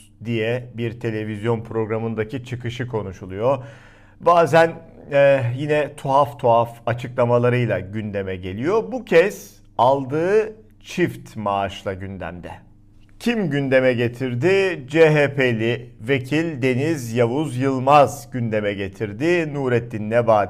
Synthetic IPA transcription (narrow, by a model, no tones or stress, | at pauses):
d̪ijɛbiɾt̪ʰe̞lʲe̞vizjo̞npʰɾo̞ɡɾamɯnd̪acit͡ʃʰɯkʰɯʃɯkʰo̞nuʃulˠujo | baːzænɛjinɛt̪ʰuɦaft̪ʰuɦafat͡ʃʰɯklˠamalˠaɾɯjlˠaɟynd̪e̞mɛɟe̞lʲijo̞bucʰɛz̥ | alˠd̪ɯː | t͡ʃʰift̪maːʃlˠaɟynd̪æ̰md̪ɛ̰ | cʰimɟynd̪e̞mɛɟe̞t̪ʰiɾd̪ɪd͡ʒeɦeːpʰelʲive̞cʰilʲd̪e̞nizjavuzjɯlˠmazɟynd̪e̞mɛɟe̞t̪ʰiɾd̪ɪnuːɾɛt̪ʰːinːɛbaːt̪